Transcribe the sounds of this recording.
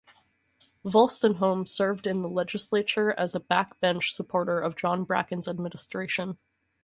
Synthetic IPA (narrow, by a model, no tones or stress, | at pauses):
vɔlˠstɨ̃nɦõʊ̃msɜ˞vdɨ̃nðəlɛd͡ʒɨsleɪt͡ʃə˞ɨzəb̥æk̚b̥ɛ̃nt͡ʃsəpʰɔɹɾə˞ʌvd͡ʒɑ̃nbɹæ̰kɨ̃nzɨd̚mɪ̃nəstɹ̥eɪʃə̃n